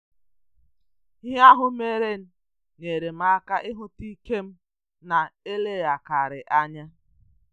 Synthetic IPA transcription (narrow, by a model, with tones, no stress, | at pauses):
ɦɪ˦a˦ɦʊ˦me˦ɾe˦n̩˦ | ne˨ɾe˨m̩˦a˦ka˦ʔɪ˦ɦʊ˦ti˦ke˦m̩˦ | na˨e˦le˦˨ɣa˨ka˨ɾɪ˨ʔa˦ɲa˦